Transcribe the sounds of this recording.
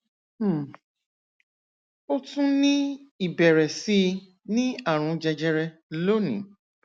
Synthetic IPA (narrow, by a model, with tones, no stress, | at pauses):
o˦tũ˦nĩ˦i˦˨bɛ˨ɾɛ˨si˧ | nĩ˦a˦˨ɾ̃ũ˨˧d͡ʒɛ˧d͡ʒɛ˧ɾɛ˧lo˦nḭ̃˨˦